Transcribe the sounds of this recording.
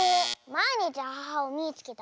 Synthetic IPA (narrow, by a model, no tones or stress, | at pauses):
emanʲet͡ɕiaɦaɦaomʲiːt͡sɨ̥ke̞t̪a